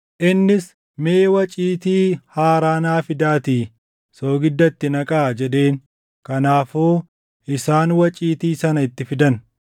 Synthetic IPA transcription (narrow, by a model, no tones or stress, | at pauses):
ʔɪnːɪs | meːwɐt͡ʃʼiːt̪iːhaːɾaːnaːfɪd̪aːt̪iː | soːɡɪd̪ːɐt̪ːɪnɐkʼaːd͡ʒɛᶑe̞ːn | kɐnaːfoː | ʔɪsaːnwɐt͡ʃʼiːt̪iːsɐnɐɪt̪ːɪfɪd̪ɐn